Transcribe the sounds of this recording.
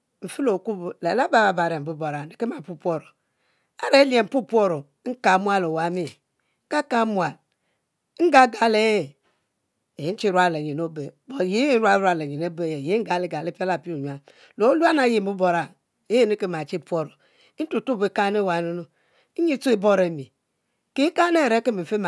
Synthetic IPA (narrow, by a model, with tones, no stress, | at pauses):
m̩˨fi˦lo˨ku˦ble˨la˦ba˨ba˨ba˨ɾe˨m̩˨bu˦bo˨ɾa˨ne˨ke˦ma˨pu˦pʷo˦ɾo˨ | a˦ɾe˨˦li˦e˨m̩˨pu˦po˦ɾo˨˦ŋ̩˦ka˨˦mʷ˦a˦lo˨wa˨˦mi˦ | ka˦ka˦mu˨a˨l | ŋ̩˦ɡa˦ɡa˨le˦je˨ | e˨˦n̩˦t͡ʃi˦ɾʷa˦le˨ɲe˨no˦be˨bo˨je˦e˦n̩˦ɾʷwa˦ɾa˨le˨ɲe˨ne˦be˦˨je˨je˨˦ŋ̩˦ɡa˨˦le˨˦ɡa˨le˦pa˦la˨pi˦o˨ɲ˨a˨ | lo˨˦lu˦a˦na˨je˨m˨u˦bo˨ɾa˨ | e˦je˦˨ne˦ke˦ma˨t͡ʃi˦˨pʷo˦ɾo˨˦ | tu˨tu˦be˨˦ka˦ne˦˨wa˨no˦no˦ | ɲi˦tu˦i˨bo˦ɾe˨mi˨ | ke˨˦ka˦ne˦˨ɾe˨˦ke˦mi˨fe˦ma˨